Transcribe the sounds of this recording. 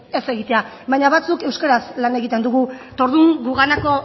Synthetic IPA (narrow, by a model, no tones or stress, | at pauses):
e̞se̞ɣit̪e̞a | βajɲaβat͡suke̞wskaɾaslane̞ɣit̪e̞nd̪uɣut̪o̞ɾðuŋɡuɣanako̞